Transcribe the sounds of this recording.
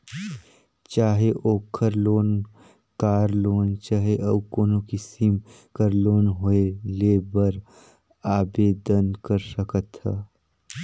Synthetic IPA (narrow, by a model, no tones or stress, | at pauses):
t͡ʃaːɦeʔoːkʰəɾloːn | kaːɾloːnt͡ʃaːɦeʔəbkoːnokɪsim | kəɾloːnɦoeleːbəɾ | aːbeːd̪ənkəɾsəkət̪ɦɛ̰ː